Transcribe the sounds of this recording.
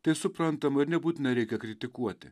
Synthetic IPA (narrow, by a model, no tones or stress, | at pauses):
t̪ɐɪsʊpɾɐnt̪ɐmɐɪɾnʲɛbuːt̪ʲɪnɐɾʲɛɪkʲɛkɾʲɪt̪ʲɪkuɔt̪ʲɪ